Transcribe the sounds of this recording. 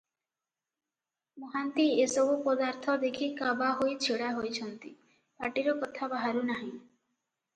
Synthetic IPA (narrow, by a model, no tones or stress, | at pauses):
moɦant̪iesɔbʱupɔd̪aɾt̪ʰɔd̪ekʰikabaɦojt͡ʃʰeɽaɦojt͡ʃʰɔnt̪i | paʈiɾɔkɔt̪ʰabaɦaɾunaɦĩ